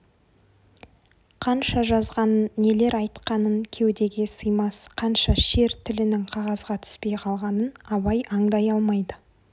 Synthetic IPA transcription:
qʰɑnʃɑʒɑzʁɑnənːe̞le̞ɾɑjt̪qɑnəŋkʲʰewd̪e̞ɡʲe̞səjmɑsqʰɑnʃɑʃe̞ɾt̪ʰɪlɪnɪŋqʰɑʁɑzʁɑt̪ʰʏ̥spe̞jqʰɑlˠʁɑnənɑβɑjʔɑŋd̪ɑjɑlˠmɑjd̪ə

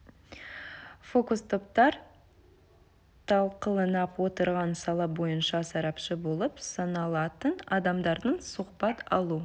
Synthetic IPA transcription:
fo̞kust̪ʰo̞p̚t̪ɑɾ | t̪ʰɑlˠqəlˠənɑpwo̞t̪əɾʁɑnsɑlˠɑbo̞jənʃɑsɑɾɑpʃəbo̞lˠəpsɑnɑlˠɑt̪ənɑd̪ɑmd̪ɑɾd̪ənsʊqpɑt̪ɑlˠu

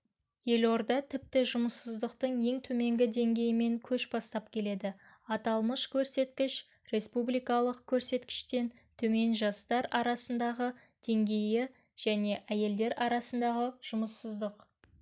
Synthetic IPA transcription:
je̞lo̞ɾd̪ɑt̪ʰɪp̚t̪ɪʒʊməsːəzd̪əqt̪əɴje̞ŋt̪ʰɵme̞ŋɡʲɪd̪e̞ŋɡʲe̞jɪme̞ŋkʲʰɵʃbɑst̪ɑp̚kʲʰe̞le̞d̪ɪ | ɑt̪ɑlˠməʃkʲʰɵɾse̞t̪kʲɪʃ | ɾe̞spublijkɑlˠəqkʲʰɵɾse̞t̪kʲɪ̥ʃt̪e̞n | t̪ʰɵme̞nʒɑst̪ɑɾɑɾɑsənd̪ɑʁə | d̪̥e̞ŋɡʲe̞jɪ | ʒ̥æne̞ʔæje̞ld̪e̞ɾɑɾɑsənd̪ɑʁəʒ̥ʊməsːəzd̪əq

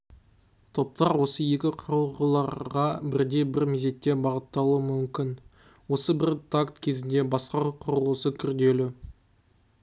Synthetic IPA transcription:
t̪ʰo̞p̚t̪ɑɾwo̞səje̞kʲɪqʰʊɾəlˠʁəlˠɑɾʁɑbɪɾd̪e̞bɪɾmeze̞t̪ːe̞bɑʁət̪ːɑlˠuəmʏmkʲɪn | wo̞səbɪɾt̪ʰakt̪kʲʰe̞zɪnd̪e̞bɑsqɑqʰʊɾəlˠəsəkʲʰʏɾd̪e̞lɪ

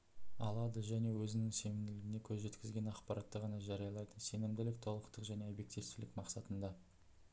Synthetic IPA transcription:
ɑ̰lˠɑd̪əʒæne̞wɵzɪnɪŋse̞nɪmd̪ɪlɪɡʲɪne̞kʲʰɵzʒe̞t̪kʲɪzɡʲe̞nɑqpɑɾɑt̪ːəʁɑnɑʒɑɾijɑlˠɑjt̪ənse̞nɪmd̪ɪlɪk̚t̪ʰo̞lˠəqt̪əqʒæne̞obje̞k̚t̪ijfst̪ɪlɪkmɑqsɑt̪ənd̪ɑ

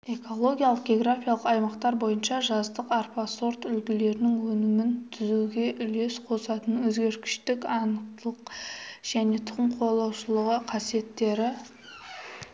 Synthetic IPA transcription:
e̞kʰo̞lˠo̞ɡʲijalˠəq̚ɡʲe̞ɡɾafʲijalˠəqɑjmɑqt̪ɑɾbo̞jənʃɑʒɑzd̪əqarpaso̞rt̪ʏlɡʲɪle̞ɾɪnɪŋwɵnɪmɪnt̪ʰʏzuɡʲe̞ʔʏle̞sqʰo̞sɑt̪ənwɵzɡʲe̞ɾkʲɪ̥ʃt̪ɪkɑnəq̚tt̪əlˠəqʒ̥æne̞t̪ʰʊʁəmqʰo̞lˠɑwʃəlˠəʁəqʰɑsije̞t̪ːe̞ɾɪ

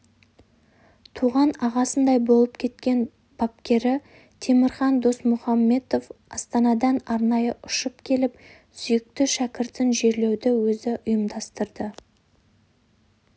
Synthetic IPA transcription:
t̪ʰuʁɑnɑʁɑsənd̪ɑjbo̞lˠəp̚kʲʰe̞t̪kʲe̞n | b̥ɑp̚kʲe̞ɾɪ | t̪ʰe̞mɪɾχɑnd̪o̞smʊχɑmːe̞t̪o̞fɑst̪ɑnɑd̪ɑnɑɾnɑjəʔʊʃəpkʲʰe̞lɪp̚ | sʏjɪk̚t̪ɪʃækʲɪɾt̪ɪnʒe̞ɾle̞wd̪ɪwɵzɪʔʊjəmd̪ɑst̪əɾd̪ə

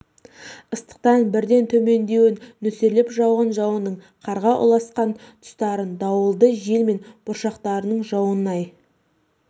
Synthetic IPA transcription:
əst̪ə̥q̚t̪ɑnbɪɾd̪e̞nt̪ʰɵme̞nd̪e̞wɪnːɵselɪpʒɑwʁənʒɑwənəɴ | qʰɑɾʁɑʔʊ̰lˠɑsqɑnt̪ʰʊ̥st̪ɑɾənd̪ɑwəlˠd̪əʒe̞lme̞nb̥ʊɾʃɑqt̪ɑɾənəɴʒɑwənːɑj

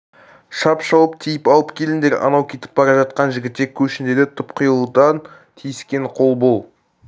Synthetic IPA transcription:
ʃɑpʃɑwəp̚t̪ʰijɪpɑlˠəpkʲʰe̞lɪnd̪eɾɑ̰nɑwkʲʰe̞t̪ɪ̥p̚bɑɾɑʒɑt̪̚qɑnʒɪɡʲɪt̪ːekʲʰɵʃɪnd̪ed̪et̪ʰʊpqʰʊjəlˠd̪ɑn | t̪ʰijɪskʲe̞ɴqʰo̞lˠbo̞lˠ

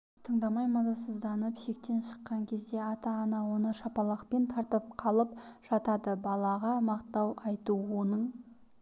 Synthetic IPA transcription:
t̪ʰəɴd̪ɑmɑjmɑzˠɑsəzd̪ɑnəpʃek̚t̪e̞nʃə̥qːɑŋkʲʰe̞zd̪e̞ɑt̪ɑɑnɑwo̞nəʃɑpɑlˠɑqpe̞nt̪ʰɑɾt̪əp̚qʰɑlˠəp̚ʒ̥ɑt̪ɑd̪əbɑlˠɑʁɑmɑqt̪ɑwɑjt̪uwo̞nəɴ

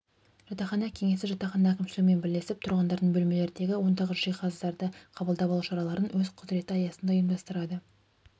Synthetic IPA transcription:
ʒ̥ɑt̪ɑχɑnɑkʲʰe̞ŋe̞sɪʒɑt̪ɑχɑnɑækʲɪmʃɪlʲɪɡʲɪme̞nbɪlːe̞sɪp̚t̪ʰʊɾʁɑnd̪ɑɾd̪əɴbɵlme̞le̞ɾɪnd̪e̞ɡʲɪwo̞nd̪ɑʁəʒijqʰɑzd̪ɑɾd̪əqʰɑbəlˠd̪ɑpɑlˠuʃɑɾɑlˠɑɾənwɵzqʰʊd̪ɾe̞t̪əɑjɑsənd̪ɑijəmd̪ɑst̪əɾɑd̪ə

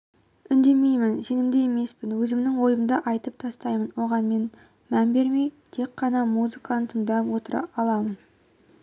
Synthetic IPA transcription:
ʏnd̪e̞mejmɪnse̞nɪmd̪eeme̞spɪnwɵzɪmnɪŋwo̞jənd̪ɑʔɑjt̪əp̚t̪ʰɑst̪ɑjmənwo̞ʁɑnme̞n | mænbe̞ɾme̞jt̪ʰe̞kqːɑnɑmuzɨkɑnət̪ʰəɴd̪ɑpwo̞t̪əɾɑ̰ʔɑlˠɑmən

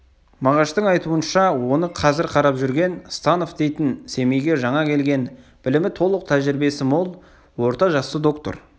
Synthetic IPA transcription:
mɑʁɑʃt̪əɴɑjt̪uənʃɑwo̞nəqʰɑzɪɾqʰɑɾɑpʒʏɾɡʲe̞nst̪ɑno̞fd̪e̞jt̪ɪnse̞mejɡʲe̞ʒɑɴɑkʲʰe̞lɡʲe̞nb̥ɪlɪmɪt̪ʰo̞lˠəq̚t̪ʰæʒɪɾɪbe̞sɪmo̞lˠ | wo̞ɾt̪ɑʒɑsəd̪o̞kt̪o̰ɾ

